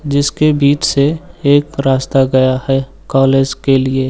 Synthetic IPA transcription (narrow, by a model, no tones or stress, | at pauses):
d͡ʒɪskebiːt͡ʃseeːkɾaːst̪aɡɐjahɛ | kɔːleːd͡ʒkelie